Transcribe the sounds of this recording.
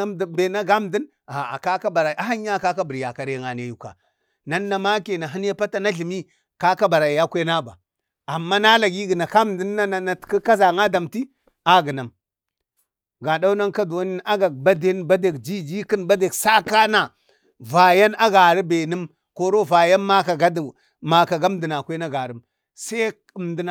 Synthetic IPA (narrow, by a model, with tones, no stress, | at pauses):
dbe˨na˦ɡa˦m˨di˦n | a˨a̰˨ka˦ka˦ba˨ɾa˨ʔa˦ɦa˦ɲ˦a˦˨ka˦ka˦bə˨ɾja˨ka˨ɾe˦ŋa˨ne˨˦ju˨ka̰˨ | na˦nːa˦ma˦ke˨na˨ɦi˦n˦a˦pa˦ta˦na˦ɬi˨mi˦ | ka˦ka˦ba˨ɾa˨ja˦kʷe˦na˦ba̰˨ | a˨mːa˦na˦la˨ɡi˦ɡi˨na˨ka˦m˨di˦nː˦a˦na˨na˨tki˦ka˦za˨ŋa˦da˨mti˦ | a˦ɡə˨na˨m | ɡa˨da˦u˦na˦nka˦do˨˦ni˦na˦ɡa˨ba˦de˦nba˦de˨kd͡ʒi˦d͡ʒi˦ki˦nba˦de˨ksa˦ka˦na˨ | va˨ja˦na˦ɡa˨ɾi˦be˨ni˦m | ko˦ɾo˦va˨ja˦nma˦ka˨ɡa˦d | ma˨ka˨ɡa˦m˦di˨na˨kʷe˦na˦ɡa˨ɾi˦m | sa˦˨m˨di˨n˨